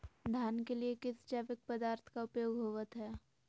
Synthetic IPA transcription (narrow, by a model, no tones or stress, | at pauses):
d̪ʱjaːnkeliekɪst͡ʃaːʋɪk̚pəd̪aːɾt̪ʰkaʊpjoːɡɦoːʋət̪ɦɛː